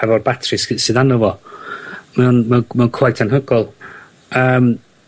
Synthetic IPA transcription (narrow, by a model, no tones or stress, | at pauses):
ɛvɔrbatʰrɨssɨːðanɔvɔ | maunmɛunmɛunkʰwajtʰanɦəɡɔlˠ | əːm